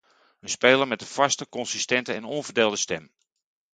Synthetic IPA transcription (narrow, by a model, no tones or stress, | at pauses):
ənspeːlərmɛt̚dəfastəkɔnsistɛntəɛnɔnvərdeːlˠdəstɛm